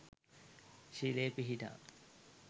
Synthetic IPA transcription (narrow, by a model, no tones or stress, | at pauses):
ɕileːpiɦiʈ̪a̰